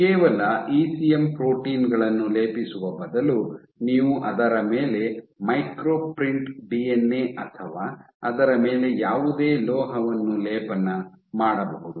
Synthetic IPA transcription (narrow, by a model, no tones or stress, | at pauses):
keːʋɐlɐiːsijempɾo̞ːʈiːnɡɐɭɐnːuleːpisuʋɐbɐd̪ɐlu | niːʋuʔɐd̪ɐɾɐmeːle̞mɐjkɾoːpɾiɳʈbienːeːʔɐt̪ʰɐʋaː | ɐd̪ɐɾɐme̞ːle̞jaːʋud̪eːlɔːɦɐʋɐnːuleːpɐnːɐ | maːɽɐbɐɦud̪u